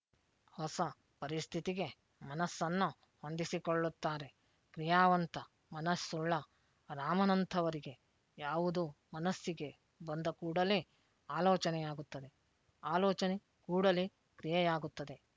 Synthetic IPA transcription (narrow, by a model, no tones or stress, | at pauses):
hɔsɐ | pɐɾist̪ʰit̪iɡe̞ | mɐnɐsːɐnːu | hond̪isikoɭːut̪ːaːɾe̞ | kɾijaːʋɐnt̪ɐ | mɐnɐsːuɭːɐ | ɾaːmɐnɐnt̪ʰɐʋɐɾiɡe̞ | jaːʋud̪umɐnɐsːiɡe̞ | bɐnd̪ɐkuːɽɐli | aːlɔːt͡ʃɐnɛjaːɡut̪ːɐd̪e̞ | aːlɔːt͡ʃɐne | kuːɽɐli | kɾijɐjaːɡut̪ːɐd̪e̞